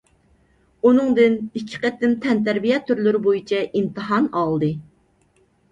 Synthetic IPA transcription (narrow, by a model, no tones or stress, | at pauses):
unɨŋd̪ɨnikʲʰːɪ̥qɛt̪ːɪmt̪ʰɛnt̪æɾbijɛt̪ʰːyɾlyɾɪbojit͡ʃʰɛʔimt̪ʰɨɦɑnɑlˠd̪ɨ